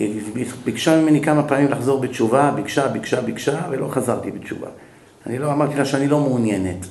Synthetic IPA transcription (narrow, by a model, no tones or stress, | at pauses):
bibikʃamimenikamapaːmimlaχzo̞ʁbet͡ʃuvabikʃabikʃabikʃavelo̞χazaʁt̪ibet͡ʃṵva̰ | a̰nilo̞amaʁt̪ilaʃeanilo̞mːnjene̞t